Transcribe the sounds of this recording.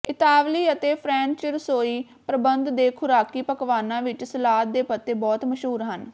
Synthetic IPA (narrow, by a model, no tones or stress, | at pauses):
ɪt̪aːʋliːət̪eːpʰɾɛ̃ːnt͡ʃɪɾsoːiː | pɾəbənd̪d̪eːkʰʊɾaːkiːpəkʋaːnãːʋɪt͡ʃsəlaːt̪̚d̪eːpət̪ːeːbɔːt̪məʃɦuːɾɦən